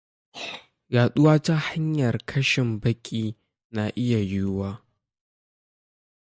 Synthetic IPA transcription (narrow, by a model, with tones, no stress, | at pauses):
jaː˨ɗʊ˦waː˦ta˦ha˦ɲjɐ˨rkʰɐ˦ʃɪ˨mbɐ˦kʲʼiː˦ | na˨ʔɪ˦ja˨jʊ˦waː˦